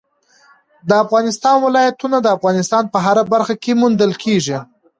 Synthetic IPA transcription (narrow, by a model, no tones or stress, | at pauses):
d̪əafɣɑnɪst̪ɑnwɪlɑjat̪unad̪əafɣɑnɪst̪ɑnpəɦaɾabaɾxakemund̪əlkʰeʒi